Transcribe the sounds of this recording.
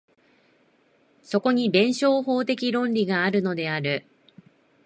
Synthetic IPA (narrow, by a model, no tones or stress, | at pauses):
so̞ko̞ɲ̟ibẽ̞ɰ̃ɕo̞ːɦo̞ːt̪e̞kʲiɾõ̞nɾʲiɡaːɾɯ̟no̞d̪e̞aɾɯ̟